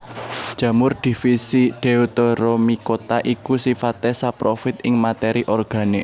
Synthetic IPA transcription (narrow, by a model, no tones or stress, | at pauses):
d̥ʒ̥ä̤mʊrd̪̥i̤fisid̪̥e̤ut̪oɾomikot̪aʔikusifat̪esapɾofɪt̪̚ɪŋmat̪eɾiʔɔrɡ̥ä̤neʔ